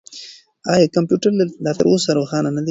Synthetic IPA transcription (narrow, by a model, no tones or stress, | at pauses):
ɑjɑkampjuʈaɾlaɾd̪ɑt̪ə̰ɾosaɾoxɑnanad̪i